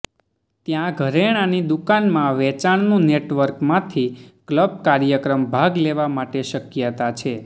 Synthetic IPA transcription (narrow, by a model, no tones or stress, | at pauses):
t̪jãɡʱəɾeɽ̃anid̪ukanmãʋɛt͡ʃaɳnũneʈʋəɾkmãt̪ʰikləb̚kaɾjəkɾəmbʱaɡleʋamaʈeʃəkjət̪at͡ʃʰe